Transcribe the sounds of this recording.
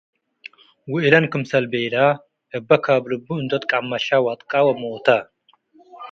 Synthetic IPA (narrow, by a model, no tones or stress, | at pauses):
wʊʔlɐnkɨmsɐlbejla | ʔɨbːɐkʰablɨbːuɨnd̪ot̪ʼkʼamːɐʃawat̪ʼkʼawɐmowt̪ʰa